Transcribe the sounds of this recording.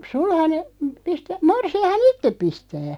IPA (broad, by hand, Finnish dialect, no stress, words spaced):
sulhɑne pistæ morsiɑhɑn itːep̆ pistæː